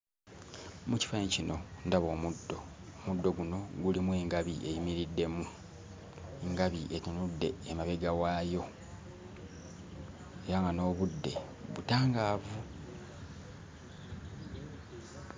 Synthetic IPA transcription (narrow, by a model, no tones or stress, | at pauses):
muci̥faeɲcino̞ndaβo̞ːmudːo̞ | omudːo̞ɡuno̞ɡulimwe̞ːŋɡaβiʔe̞jimiɾidːe̞mu | eŋɡaβiʔetinudːe̞ːmaβeɡawaːjo̞ | e̞ɾaŋɡano̞ːβudːe̞ | βutaːŋɡaːvu